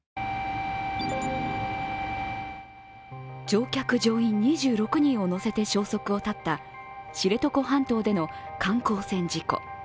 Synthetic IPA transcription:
d͡ʑo̞ːkʲakɯ̟ʑo̞ːĩɲ̟ːiʑɨːɾo̞kɯ̟ɲ̟ĩɰ̃o̞no̞se̞t̪e̞ɕo̞ːso̞kɯ̟o̞t̪at̪ːa | ɕiɾe̞t̪o̞ko̞ɦãnt̪o̞ːd̪e̞no̞kʰãŋko̞ːsẽ̞ɲd͡ʑiko̰

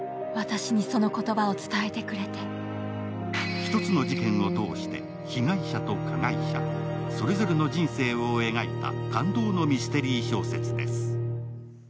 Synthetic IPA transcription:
βat̪aɕiɲ̟iso̞no̞ko̞t̪o̞bao̞t͡sɨ̥t̪ae̞t̪e̞kɯ̟ɾe̞t̪e̞ | çi̥t̪o̞t͡sɨno̞d͡ʑikẽ̞ɰ̃o̞t̪o̞ːɕi̥t̪e̞̰ | çiɡaiɕat̪o̞kʰaɡaiɕa̰so̞ɾe̞zo̞ɾe̞no̞d͡ʑĩɰ̃se̞ːoːe̞ɡait̪a̰kãnd̪o̞ːno̞mʲist̪e̞ɾʲiːɕo̞ːse̞t͡sɨd̪e̞̰sɨ̥

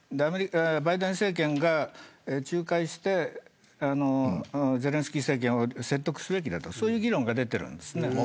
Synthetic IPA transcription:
d̪eameɾʲibaid̪ẽ̞ɰ̃se̞ːk̬ẽ̞ŋɡaet͡ɕɨːkaiɕi̥t̪e̞ | ano̞ze̞ɾẽsɨ̥kʲiːse̞ːk̬ẽɰ̃o̞se̞t̪ːo̞kɯ̟̥sɨbe̞k̬ʲid̪at̪osoːjɯːɡʲiɾõ̞ŋɡad̪e̞t̪e̞ɾɯ̟̰̃nd̪e̞sɨne̞

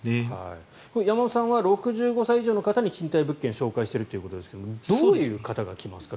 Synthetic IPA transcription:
ha̰i | kojamasãβaɾo̞kɯ̟ʑɨːɡo̞saiiʑo̞ːno̞kat̪aɲ̟it͡ɕĩnt̪aibɯ̟kːẽ̞ɕo̞ːkaiɕi̥t̪eɾɯt̪o̞jɯ̟kot̪od̪e̞sɨ̥ke̞d̪omd̪o̞ːjɯ̟ːkat̪aɡa̰kʲima̰sɨ̥ka

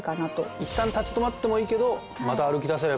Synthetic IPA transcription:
kanat̪o̞̰it̪ːãnt̪at͡ɕi̥t̪o̞mat̪ːe̞mo̞iːke̞d̪o̞ | mat̪aːɾɯkʲid̪as̬eɾe

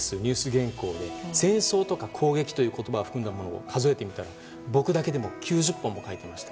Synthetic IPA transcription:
sɨɲ̟ʲɨːsɨɡẽ̞ŋko̞ːd̪e̞sẽ̞ɰ̃so̞ːt̪o̞kakʰo̞ːɡe̞kʲi̥t̪o̞jɯ̟ːko̞t̪o̞baɡaɸɯ̥kɯ̃nd̪amo̞no̞o̰kʰazo̞e̞t̪e̞mʲit̪aɾa | bo̞kɯ̟d̪ake̞d̪e̞mo̞kʲʰɨːʑɨpːõ̞mːo̞kait̪e̞maɕi̥t̪ḁ

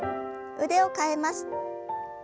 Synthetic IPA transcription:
ɯ̟d̪e̞o̞kae̞masɨ̥

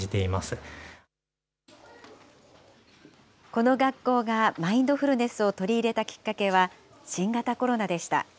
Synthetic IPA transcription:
it̪e̞imasɨ | ko̞no̞ɡakːo̞ːɡamaĩnd̪o̞ɸɯ̟ɾɯ̟ne̞sɨo̞t̪o̞ɾʲiːɾe̞t̪akʲi̥kːake̞β̞a | ɕĩŋɡat̪ako̞ɾo̞nad̪e̞ɕi̥t̪a̰

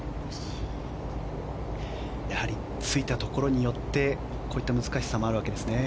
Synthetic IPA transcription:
jahaɾʲi | t͡sɨit̪at̪o̞ko̞ɾo̞ɲ̟ijo̞t̪ːe̞ | ko̞ːit̪ːamɯ̟zɨkaɕi̥samo̞aɾɯ̟βake̞d̪e̞sɨne̞

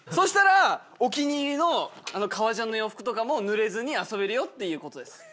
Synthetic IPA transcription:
soɕi̥t̪aɾa | okʲiɲ̟iːɾʲino̞ano̞kʰaβaʑãnːojoɸɯ̥kɯ̟t̪o̞kamo̞nɯ̟ɾe̞zɨɲ̟iaso̞be̞ɾɯ̟jo̞t̪ːe̞jɯ̟ːko̞t̪o̞d̪e̞sɨ̥

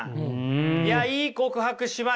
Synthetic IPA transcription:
jaiːko̞kɯ̟ɦakɯ̟ɕiβa

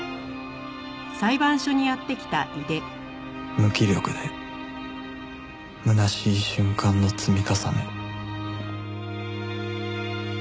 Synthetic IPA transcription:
saibãɰ̃ɕo̞ɲ̟ijat̪ːe̞kʲi̥t̪aʔɯd̪e̞ | mɯ̟kʲiɾʲo̞kɯ̟d̪e | mɯ̟naɕiːɕɨ̃ŋkãnːo̞t͡sɨmʲikasanḛ

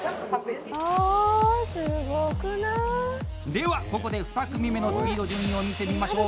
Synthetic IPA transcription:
a | sɨɡokɯna | d̪e̞βako̞ko̞d̪e̞ɸɯ̟̥t̪akɯ̟mʲime̞no̞sɨbʲiːd̪o̞d͡ʑɯ̃mːĩomʲit̪emʲimaɕo̞ː

